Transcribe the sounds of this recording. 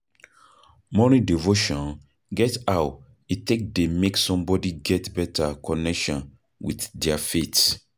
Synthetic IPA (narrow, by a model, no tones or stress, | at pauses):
mɔnidivoʃɔ̃n | ɡɛtaʊt | itek̚demeksɔ̃mbɔdiɡɛtbɛtʰakɔnɛkʃɔ̃n | wḭtdɛafet